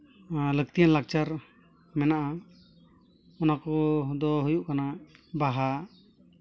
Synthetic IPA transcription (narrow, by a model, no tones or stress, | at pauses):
lək̚t̪ijanlak̚t͡ʃaɾ | mɛnaʔa | ɔnakɔd̪ɔɦujuʔkanabaɦa